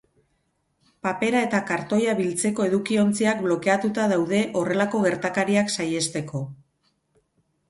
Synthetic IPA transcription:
pape̞ɾae̞t̪akaɾt̪o̞jaβilt͡se̞ko̞e̞ðukio̞nt͡siakblo̞ke̞at̪ut̪aðawðe̞ʔo̞re̞lako̞ɣe̞ɾt̪akaɾiaksaje̞st̪e̞ko̞

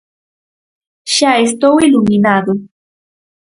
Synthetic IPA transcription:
ʃaes̬t̪owiluminad̪o

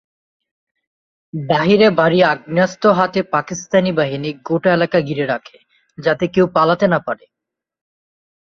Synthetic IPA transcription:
baɦiɾebaɾiaɡ̚niast̪oɦat̪epakist̪anibaɦiniɡoʈaelakaɡiɾeɾakʰe̥ | d͡ʑat̪ekewpalat̪enapaɾe

